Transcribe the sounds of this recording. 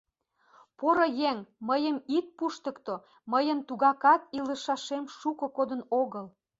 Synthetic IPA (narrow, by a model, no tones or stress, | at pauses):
poɾojeŋməjəmit̪̚puʃt̪ə̆kt̪o | məjənt̪uɣɑkɑt̪ilə̆ʃɑʃemʃukɤ̆kod̪ənoɣəl